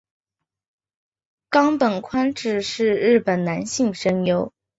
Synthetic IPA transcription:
kɑ˥ŋpə˨˩nkʰwa˥nʈ͡ʂɻ̩˥˩ʂɻ̩˥˧ɻɻ̩˥˩pə˨˩nna˧˥nɕi˥˩ŋʂə˥ŋjo˥ʊ

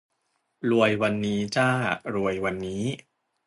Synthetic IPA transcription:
ɾu˧əjwa˧nːiː˦˥t͡ɕaː˥˩ɾu˧əjwa˧nːiː˦˥

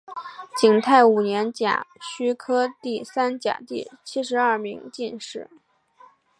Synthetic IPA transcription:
t͡ɕi˨˩ŋt̪ʰa˥˩ɪu˨˩njɛ˧˥nt͡ɕja̰˨˩ɕy˥kʰɤ˥t̪i˥˩sa˥nt͡ɕja̰˨˩t̪i˥˩t͡ɕʰi˥ʂɻ̩˧˥ɐ˞˥˩mi˧˥ŋt͡ɕi˥˧nʂɻ̩˥˩

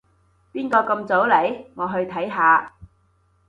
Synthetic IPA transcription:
piː˥nkɔː˧kɐ˧mt͡so˨˥wle˨˥jŋɔː˨˧ɦɵ˧ɥt̪ʰɐ˨˥jɦaː˨˧

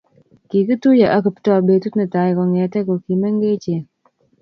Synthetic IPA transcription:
ki˨ki˦tu˦ja˨ʔa˦ki˨ptɔ˨be˨tu˦tnə˨ta˨jkɔ˨ŋɛ˨tɛ˦kɔ˨ki˨mɛ˦ŋɡe˦t͡ʃe˨

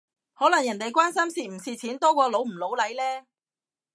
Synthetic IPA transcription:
hɔː˨˥lɐ˨˩ŋjɐ˨˩nt̪e˨jkwaː˥nsɐ˥msiː˨m̩˨˩siː˨t͡sʰiː˨˥nt̪ɔː˥kʷɔː˧lo˨˥wm̩˨˩lo˨˥wlɐ˨˥jlɛː˥

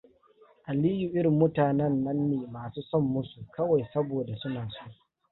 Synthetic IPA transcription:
ʔa˨liː˦ju˨ʔɪ˦ɾɪ˨mːʊ˦taː˨nɛ˦nːɐ˦nːeː˨maː˨suː˦sɔ˦˨mːʊ˦su˨kɐ˦wa˨jsɐ˦boː˨da˨sʊ˦naː˨soː˦ʔ

